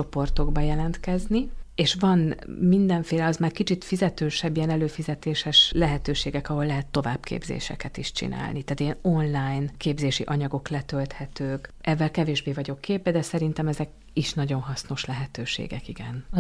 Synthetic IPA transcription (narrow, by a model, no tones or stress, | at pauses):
t͡ʃopo̞rt̪o̞ɡbɒjɛlɛnt̪kɛznieːʃvɒnmind̪ɛɱfeːlɛɒzmaːrkit͡ʃit̪fizɛt̪øːʃɛbːijɛnɛløːfizɛt̪eːʃɛʃlɛɦɛt̪øːʃeːɡɛkɒɦo̞lːɛɦɛt̪ːo̞vaːbkʰḛːbzḛːʃɛ̰kɛt̪iʃt͡ʃḭna̰ːlnit̪aːt̪jɛno̞nlaːjnkeːbzeːʃiʔɒɲɒɡo̞klɛt̪ølt̪hɛt̪øːkʔɛvːɛlkɛveːʒbeːvɒɟo̞kːeːbːɛd̪ɛsɛɾint̪ɛmɛzɛk | iʃnɒɟo̞nɦɒsno̞ʃlɛɦɛt̪øːʃḛːɡɛkiɡɛn